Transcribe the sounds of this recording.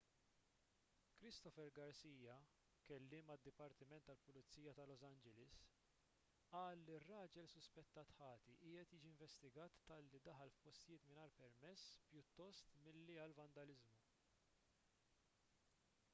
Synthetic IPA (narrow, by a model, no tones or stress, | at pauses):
kɾɪst̪ɔfɛɾɡɐɾsiːjɐ | kɛlːɪːmɐd̪ːɪpɐɾt̪ɪmɛnt̪ːɐlpʊlɪt͡sːiːjɐt̪ɐlɔsɐnd͡ʒɛlɪs | ɐːlːirːɐːd͡ʒɛlsʊspɛt̪ːɐːt̪ħɐːt̪iʔɪːɛt̪jɪːd͡ʒiɪɱvɛst̪ɪɡɐːt̪ːɐlːid̪ɐħɐlfpɔst̪ɪjɪːt̪mɪnɐːɾpɛɾmɛsːpjʊt̪ːɔst̪mɪlːiɐlvɐnd̪ɐlɪzmu